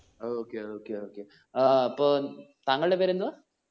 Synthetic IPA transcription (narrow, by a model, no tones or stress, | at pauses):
oːoːkːeoːkːeoːkːe | ɐpːoːt̪ɐŋːɐɭɨɽepeːɾend̪uðaː